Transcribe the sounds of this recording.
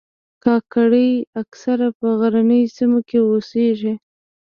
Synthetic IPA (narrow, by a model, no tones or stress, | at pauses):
kɑkaɽəjaksaɾapəɣaɾanəjsimokeoseʒe